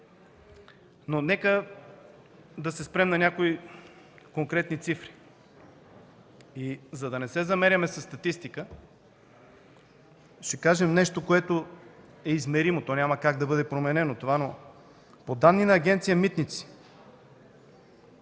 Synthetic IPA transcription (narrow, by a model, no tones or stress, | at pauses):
nonɛkə | d̪ɐsɛspɾɛmnɐnʲakoi | koŋkɾɛt̪nit̪sifɾi̥ | izɐd̪ɐnɛsɛzɐmɛɾʲjɐmɛsɐst̪ɐt̪ist̪ikə | ʃɛkaʒɛmnɛʃt̪okoɛt̪o | ɛizmɛɾimot̪ɔnʲamɐkaɡd̪ɐbɤd̪ɛpɾomɛnɛnot̪ovano | pod̪anːinɐːɡʲɛnt̪sijəmit̪nit̪si̥